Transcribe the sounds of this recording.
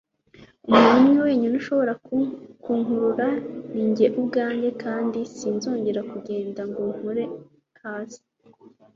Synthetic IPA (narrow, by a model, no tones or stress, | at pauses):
umaimŋiweːɲunuʃo̞βo̞ɾakuŋɦuɾuɾaniɲɟe̞ʔubɡaːɲɟe̞kaːndisinzo̞ːɲɟe̞ɾakuɟe̞ːndaŋɡoŋ̥huɾe | haːzi̥